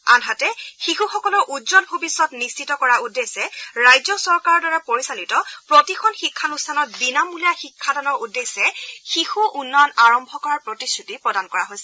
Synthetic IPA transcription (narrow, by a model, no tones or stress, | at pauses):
a̰nɦatɛxixuxɔkɔlɔɹʔudzɔnbʱobisːɔtnist͡ʃʰitɔkɔɹaudːesɛɹajzɔsɔɹkaɹɔɹdaɹapoɹisalitɔpɹotixʰɔnxikʰːanustʰanɔt̚binamulijaxikʰːatanɔɹudːesɛxixuʔunːɔnaɹɔmbʱɔkɔɹaɹpɹotisutipɹɔdankɔɹaɦojsɛ